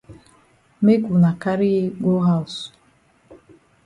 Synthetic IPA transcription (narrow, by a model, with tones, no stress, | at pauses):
me˦ɡu˨na˨ka˦ɾi˦ɡo˦ɦa˦˨s